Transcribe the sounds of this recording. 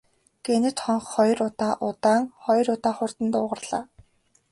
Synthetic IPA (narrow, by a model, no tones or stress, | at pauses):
ɡ̥enɘ̆t̪χɔɴχːɔjrʊt̪aːʔʊt̪aːŋχɔjrʊt̪aːχʊr̥t̪ə̆nt̪ʊːʁə̆rɮa̰ː